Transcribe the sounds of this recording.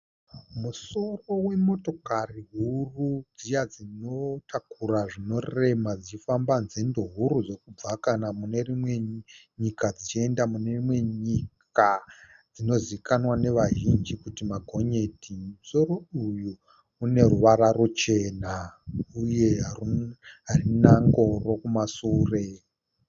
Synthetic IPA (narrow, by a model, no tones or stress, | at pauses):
muso̞ro̞we̞mo̞to̞kariɦurud͡zijad͡zino̞tʰakuraʐino̞re̞mad͡zit͡ʃifambanzendo̞ɦuɾud͡zo̞kub͡vakanamune̞rimwe̞ɲikad͡zit͡ʃe̞ndamune̞rimwe̞ɲik | a | d͡zino̞ziikanwane̞ʋaʒind͡ʒikutimaɡʱo̞ɲe̞tʰimuso̞roujuː | ne̞ruʋaɾarut͡ʃe̞ːnauje̞ɦa | ɦarinaŋɡo̞ro̞kumasuːre̞